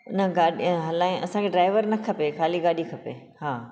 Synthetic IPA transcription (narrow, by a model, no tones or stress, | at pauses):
ʊnəɡaːɗiɦɐlaːĩʔɐsãkʰeɖɾaːɪʋəɾnɐkʰɐpexaːliɡaːɗikʰɐpḛ | haː